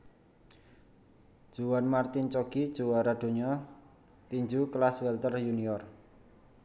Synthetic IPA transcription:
d̥ʒ̥uwanmart̪int͡ʃoɡ̥id̥ʒ̥uwaɾad̥o̤ɲɔ | t̪iɲd͡ʒuklaswɛlt̪ərjuniɔr

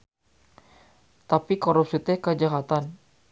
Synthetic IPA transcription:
t̪apikoɾup̚sit̪əkəd͡ʒaɦat̪an

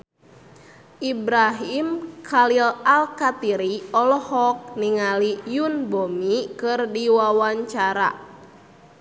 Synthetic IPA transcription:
ʔibɾaɦimkʰalilalkat̪iɾiɔlɔhɔk̚niŋalijunbomikɨrdiwawaɲt͡ʃaɾa̰

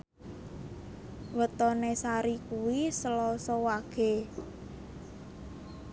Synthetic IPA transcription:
wət̪ɔnesaɾikuwisəlɔsɔwaɡ̥e̤

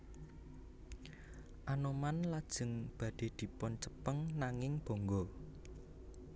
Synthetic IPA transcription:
ʔanomanlad̥ʒ̥ə̤ŋb̥ä̤ɖ̥e̤d̪̥i̤pɔnt͡ʃə̥pəŋnaŋɪŋb̥o̤ŋɡɔ

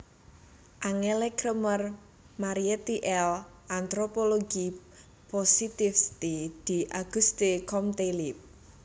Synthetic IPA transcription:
ʔaŋelekɾəmər | maɾiet̪iʔɛl | ant̪ɾopoloɡ̥i | posit̪ifst̪id̪̥i̤ʔaɡ̥ust̪ekɔmt̪elip̚

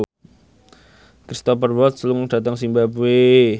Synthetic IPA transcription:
kɾist̪ɔfərwɔt̪̚sluŋɖ̥ä̤t̪əŋsimbapwe

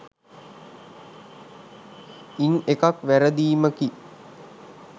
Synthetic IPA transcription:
inekakʋæɾəd̪iːməki

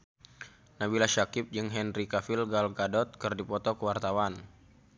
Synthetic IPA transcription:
nabilaʃakɪp̚d͡ʒɨŋɦɛnrikafilɡalɡadɔt̪̚kərdipɔt̪ɔkəwart̪awan

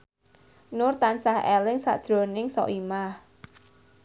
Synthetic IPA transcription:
nʊrt̪ansahɛlɪŋsa̰ʔd̥ʒ̥ɾo̤nɪŋsɔ̰ʔimah

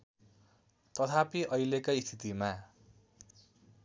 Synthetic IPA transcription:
t̪ʌt̪ʰapiʔʌjlekaist̪ʰit̪ima

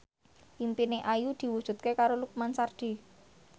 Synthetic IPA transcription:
ʔimpineʔajud̪̥i̤wud̥ʒ̥ṳt̪̚kekaɾoluk̚mansard̪̥i̤

